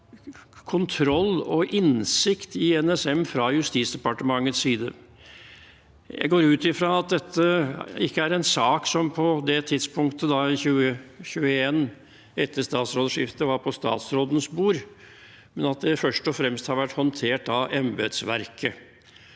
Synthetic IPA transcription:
kʰʊnt̪ʰɾɔlːɔʔɪnsɪkt̪ɪɛnɛsɛmfɾɑjʉst̪iːt̪sd̪ɛpɑʈəmɑŋːət̪ssiːd̪ə | jæ̰ɪɡoːɾʉːt̪ɪfɾɑɑt̪̚d̪ɛt̪ːəɪkːəæɾɛnsɑːksɔmpʰɔd̪ɛt̪ʰɪd̪spʰʊŋkt̪əd̪ɑɪçʉːəçʉːəeːn | ɛt̪ːəst̪ɑːt̪sɾoːd̪əʂɪft̪əʋɑɾpʰɔst̪ɑ̰ːt̪sɾoːd̪n̩sbuːɾ | mɛnɑt̪̚d̪ɛfœʂʈɔfɾɛmst̪hɑɾʋæʈːhɔnt̪ʰeːʈɑɛmbɛd̪sʋæɾkʰə

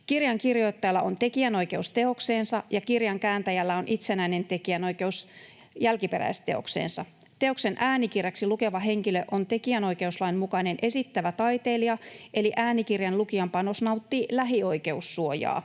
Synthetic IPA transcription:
kirjɑŋkirjo̞it̪ːɑjɑlːɑʔont̪e̞kiæno̞ike̞ust̪e̞o̞kse̞ːnsɑjɑkirjɑŋkæːnt̪æjælːæonʔit̪senæine̞nt̪e̞kiæno̞ike̞us | jælkipeɾæ̰jst̪e̞o̞̰ksḛːnsɑ | t̪e̞o̞kse̞nʔæːnikireksiluke̞ʋɑɦe̞ŋkiløʔont̪e̞kiæno̞jke̞uslɑimmukɑne̞nʔe̞sit̪ːæʋæt̪ɑit̪eliɑʔe̞liʔæːnikirjɑnlukiɑmpɑno̞snɑut̪ːiːlæɦio̞ike̞usːuojɑ̰ː

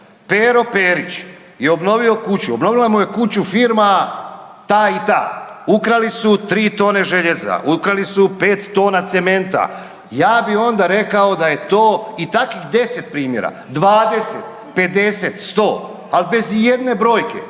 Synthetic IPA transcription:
peɾo̞peːɾit͡ɕ | jeo̞bno̞ʋio̞kut͡ɕuobno̞ʋilamuje̞kut͡ɕufiːɾma | t̪aːit̪a̰ːukɾalisut̪ɾiːt̪o̞ːne̞ʒeʎeza̰ʔukɾalisupe̞ːt̪ːo̞ːnat̪se̞me̞nt̪a̰ | jaːbio̞nd̪aɾe̞kao̞d̪aje̞t̪oːit̪akʋixd̪e̞se̞t̪̚pɾiːmje̞̰ɾa̰ | d̪ʋaːd̪e̞set̪ | pe̞d̪e̞se̞t̪st̪o̞ː | alibe̞zje̞d̪ne̞bɾo̞ːjke̞̰

